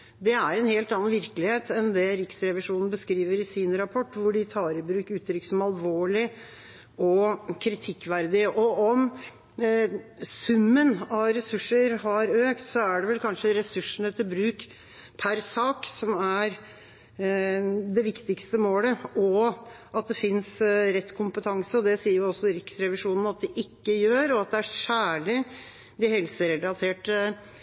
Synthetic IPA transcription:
d̪ɛæɾɛnheːlt̪ɑnːɑnʋɪɾkəlɪheːt̪ɛnd̪ɛɾɪksɾɛʋɪʂuːnən̩bəskɾiːʋəɾɪsɪnɾɑpʰɔʈːʋʊɖɪt̪ʰɑːɾɪbɾʉːkʉːt̪ːɾʏksɔmɑlʋoːɭɪ | ɔkʰɾɪt̪ʰɪkːʋæɾd̪ɪʔɔɔm | sʉmːənɑɾɛsʉʂːəɾhɑɾøːkt̪sɔæɖɛʋɛlkʰɑnʂəɾɛsʉʂːn̩ɛt̪ʰːəɾbɾʉːk | pʰæɾsɑːksɔmæɾ | d̪ɛʋɪkt̪ɪkst̪əmoːləɔ | ɑt̪̚d̪ɛfɪnsɾɛt̪ːkʰʊmpət̪ʰɑŋsəɔd̪ɛsiːəɾjʊɔsɔɾɪksɾɛʋɪʂuːnn̩ɑt̪̚d̪ɪʔɪkːəjøːɾɔɑt̪̚d̪ɛæɾʂæːɭɪ | d̪ɪhɛlsəɾɛlɑt̪ʰeːʈ

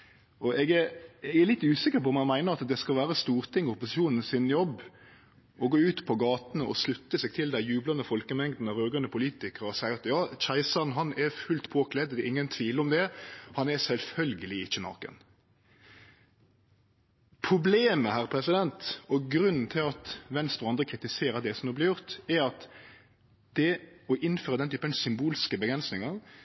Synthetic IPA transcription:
ʔɔʔɛɡæɾɛɡælɪt̪ːʉːsɪkːəɾpɔɔmɑnmæɪnəɾɑt̪d̪ɛskɑlʋæːɾəst̪uːʁt̪ʰɪŋːɔʊpʊsɪʃuːnn̩sɪnjɔbː | ɔɡoːʉːt̪pʰɔɡɑːt̪nəʔɔ̰slʉt̪ːəsɛɡ̚t̪ʰɪld̪æɪjʉːblɑnəfɔlkəmɛŋd̪n̩ɔɾøːɡənəpʰʊliːt̪ɪkəɾɔsæɪɑt̪jɑːt͡ʃæɪsɑnɦɑnɛfʉlt̪pʰoːkʰlɛd̪d̪ɛɪŋːənt̪ʰʋiːləɔmd̪ɛhɑnɛsɛlfœlɡəlɪɪçːənɑ̰ːʁkə̰n | pʰɾʊbleːməhæːɾpʰɾɛsɪd̪ɛnt̪ɔɡɾʉnːn̩t̪ʰɪlɑt̪ʋɛnst̪ɔɑnd̪ɾəkʰɾɪt̪ɪseːɾəd̪ɛsɔmd̪uːblɪɾjʊʁt̪ɛɾɑt̪ | d̪̥ɛɔʔɪnːføːɾəd̪ɛnt̪ʰyːpənsʏmbuːlskəbəɡɾɛnsnɪŋɑʁ

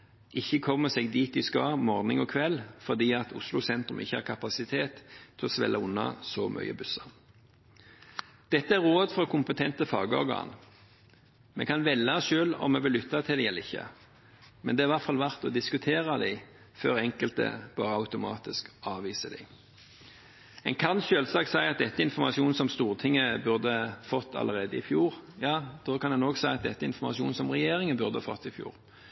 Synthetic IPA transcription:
ʔɪçːəkʰɔmːəseːɡd̪iːt̪ɪskɑːmɔʁnɪŋɔkʰʋɛlfɔd̪iːɑt̪ʰʊslʊsɛnt̪ɾʉmʔɪ̰çːəhɑ̰ʁkʰɑpɑsɪt̪ʰeːt̪ʰːɪlɔsʋɛ̰lːəʊnːɑ̰sɔmʔœ̰ʏə̰bʉsɑʁ | d̪̥ɛt̪ːəæɾʁoːd̪fɔkʰʊmpət̪ʰɛnt̪əfɑ̰ːɡəɔ̰ʁɡɑ̰ːn | mɛ̰kʰɑnʋɛlːəsʃøːlɔ̰mːɛʋɪlːʏt̪ːɑt̪ʰɪld̪ɛɛləɪçːə̰ | mɛ̰nd̪ɛːɾʋæʁt̪fɑlʋæʁt̪ɔd̪ɪskʉt̪ʰeːʁɑd̪æɪ | føːʁɛŋkəlt̪ə̰b̥ɑːɾəɑʉt̪ʊmɑ̰ːt̪ɪskɑːʋiːsəd̪ɪ̰ɪ | ɛ̰nkʰɑnɕøːlsɑːksæɪɑt̪̚d̪ɛt̪ːəɪnfɔmɑsuːnsɔmst̪uːʁt̪ʰɪŋːəbʉʁd̪əfɔt̪ʰːɑ̰ləʁeːd̪əɪfjuːʁjɑːd̪̥oːkʰɑnd̪ɛnoːɡsæɪɑt̪̚d̪ɛt̪ːəɪnfɔmɑsɪuːnsɔmʁɛjeːɾɪŋənbʉʁd̪əhɑfɔt̪ːɪfjṵːʁ

